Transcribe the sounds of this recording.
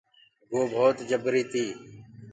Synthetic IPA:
ɡoːbʱoːt̪d͡ʒəbɾiːt̪iː

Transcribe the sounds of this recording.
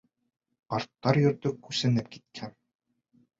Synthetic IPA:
qɑɾt̪ːɑɾjɵ̆ɾt̪ɵkʉsɘ̆nɘp̚ki̥t̪̚kʰæn

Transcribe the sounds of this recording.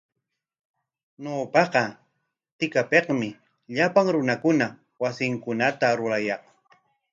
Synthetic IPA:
noːpɑqɑ | t̪ɪkapeqmɪ | ʎapaŋɾʊnakʊna | wasɪŋkʊnat̪aɾʊɾajɑχ

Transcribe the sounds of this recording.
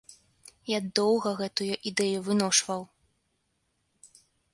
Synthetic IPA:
jad̪ɔwɣɐɣɛt̪ujuʔid̪ɛjuvɨnɔʂvɐw

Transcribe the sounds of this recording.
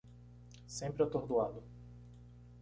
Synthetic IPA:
sẽpɾɪat̪oɾd̪uad̪ʊ

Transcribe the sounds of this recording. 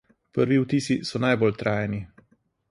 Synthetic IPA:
pəɾʋiwt̪iːsisɔnajbolt̪ɾʔaːjɛni

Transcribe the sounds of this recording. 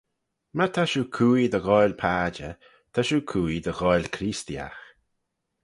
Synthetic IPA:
mat̪ʰaʃuːkʰuːid̪əɣɔjlpʰaːd͡ʒə | t̪ʰaʃuːkʰuːid̪əɣɔjlkʰɾiːst̪ia̰x

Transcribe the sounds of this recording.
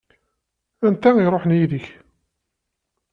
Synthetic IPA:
ænt̪æiɾˤoħənjiðəç

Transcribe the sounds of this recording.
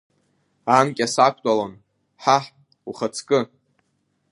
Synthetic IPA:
ankʲʼasakʷʰʼtʼalon | ħaħ | uχat͡sʰkʼɨ

